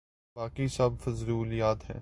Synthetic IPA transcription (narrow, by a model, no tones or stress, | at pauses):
baːkisɐb̚ʱfɐzɾuːlijaːt̪ɦɛ̰̃ː